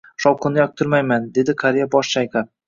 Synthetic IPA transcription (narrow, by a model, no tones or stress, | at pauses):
ʃɒwqʰɨnɪjɒk̚t̪ʰʊɾmajmand̪e̞d̪ɪqʰaɾijabɒʃʃajqʰa